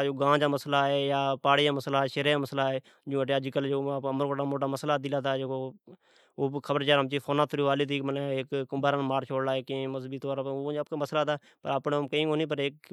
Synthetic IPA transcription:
d͡ʒoːɡãːd͡ʒaːməslaːeːjaːpaːɽejaːməslaːʃeɾeaːməslaːeː | d͡ʒũːʈeːəd͡ʒkəld͡ʒoːəməɾkoːʈaːmoːʈaːməslaːd̪iːlaːt̪aːd͡ʒːko | oːkʰəbəɾt͡ʃaːɾəmt͡ʃiːfʰoːnaːt̪ʰʊɾiːʋaːliːd̪iːkmənekːʊmbaːɾaːnmaːɾt͡ʃʰoːɽlaːekːməzbiːt̪oːɾaop̚kaməslaːt̪aː | pəɾəpnːmkəĩːkoːniːp̬əɾeːk̚

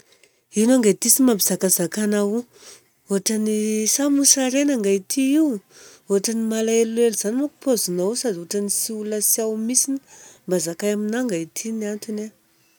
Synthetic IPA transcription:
inuaŋɡajt̪isimabizakazakanau | oɦʈ͡ʂanisamusaɾenaŋɡait̪ʰiiw | oɦaʈ͡ʂanimalaeleluzanimaku̥pozunawsad̪iɦoʈ͡ʂənisiuləsiawmisini̥mbazakajaminaŋɡait̪ʰinant̪ine

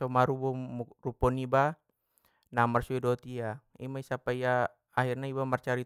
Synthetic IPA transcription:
ɔmaɾubɔrupɔniba | namarsuɛdɔt̪ia | ḭmaisapaijaː | hirnaibamart͡ʃaɾi

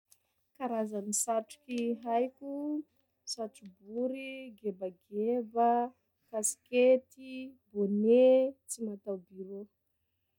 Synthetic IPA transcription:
kaɾazanisaʈ͡ʂu̥kiɦajkʲu | saʈ͡ʂubuɾiɡebaɡebə | kasi̥ket̪ibonet͡simat̪awbiɾo

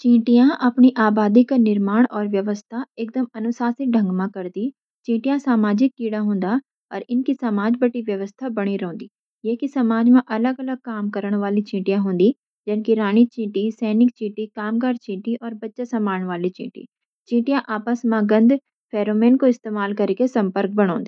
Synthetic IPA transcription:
t͡ʃĩːʈɪjãːʔəpɳiːʔaːbaːd̪iːkanɪɾmaːɳɔːɾʋjəʋəst̪ʰaːɪkd̪əmənʊsaːsɪk̚ɖʱəŋɡmãːkəɾd̪iː | t͡ʃĩːʈɪjãːsaːmaːd͡ʒɪkːiːɽãːɦʊ̃nd̪aː | ɔɾɪnkiːsəmaːd͡ʒbəʈiːʋjəʋəst̪ʰaːbəɽ̃iːɾɦõːnd̪iː | jeːkisəmaːd͡ʒmãʔələɡələɡ̚kaːmkəɾəɳ̃ʋaːliːt͡ʃĩːʈijãːɦʊ̃nd̪iː | d͡ʒənkiɾaːñiːt͡ʃĩːʈiːsɛːnɪk̚t͡ʃĩːʈiːkaːmkəɾt͡ʃĩːʈiːʔɔːɾbətːʃaːsəmaːəɳ̃ʋaːliːt͡ʃḭ̃ːʈḭː | t͡ʃĩːʈijãʔaːpəsmãːɡənd̪ | pʰɛːɾoːmẽːnkoɪst̪eːmaːlkəɾkesəmpəɾk̚bəɽ̃ɔ̰̃ːnd̪iː

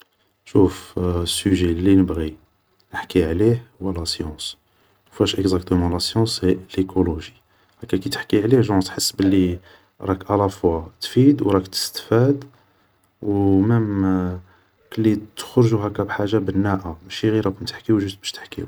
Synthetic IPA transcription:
ʃufəsyʒelːinəbɣi | nəħkiʕlihwælæsjɑ̃s | fæʃʔəkzakt̪əmɑ̃læsjɑ̃selekʰoloʒi | hækːækit̪əħkiʕlihʒɑ̃t̪ħəsːbəlːi | ɾˤɑkʕalæfwat̪fid̪wɾˤɑkt̪ə̥st̪fæd̪ | wməm | kəlːit̪ə̥xɾʒuɦækæbħaʒːabənːæʔaʃiɣiɾækʊmt̪ə̥ħkiuʒust̪bæʃt̪ə̥ħkḭu

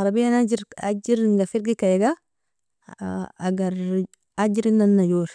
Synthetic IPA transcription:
aɾabijanad͡ʒiɾa̰d͡ʒiɾŋɡafiɾɡikajeɡa | aɡaɾ | ad͡ʒiɾinːanːajoɾ

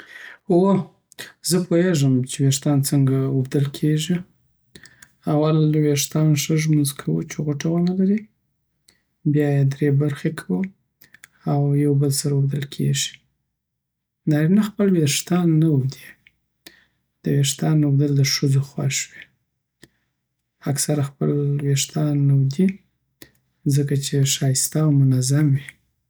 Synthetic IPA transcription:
o | zəpʰoeʐəmt͡ʃeweʂt̪ɑnt͡səŋɡaubd̪əlkʰeʒi | awalweʂt̪ɑnʂəʒmʊnzkʰawṵt͡ʃeɣoʈawanalaɾi | bjɑjed̪ɾebaɾxekʰawə | awjawbəlsaɾaubd̪əlkʰḛʒi̥ | d̪ɑɾinaxpəlweʂt̪ɑnːawd̪i̥ | d̪̥əweʂt̪ɑnːawd̪əld̪əʂəzoxwa̰ʃwi | aksaɾaxpəlweʂt̪ɑnːawd̪i | zəkat͡ʃeʂɑjɪst̪aːwmʊnazamwi

